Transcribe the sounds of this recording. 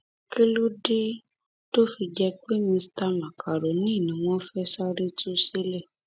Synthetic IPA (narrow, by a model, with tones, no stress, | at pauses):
ki˦lu˦de˦ | to˦fi˧d͡ʒɛ˧k͡pe˦mĩ˧sta˦lã˨kʰa˨ɾo˨nĩ˦˨nĩ˨w̃ɔ̃˦fɛ˦sa˦ɾe˦tu˦se˦le˦˨